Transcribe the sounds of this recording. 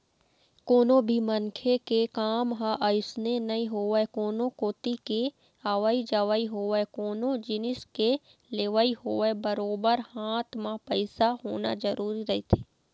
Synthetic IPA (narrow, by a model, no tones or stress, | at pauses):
koːnõbʱimənkʰekekaːmɦãʔəjɪsnenɐiɦoːɛkoːnõkoːt̪ike | aʋəid͡ʒəʋəiɦoːɛkoːnõd͡ʒɪnɪske | leːʋaiɦoːebəɾoːbəɾhaːt̪ʰmãpəɪsaɦoːna̰zəɾuːɾiɾɐɦit̪ʰe̥ː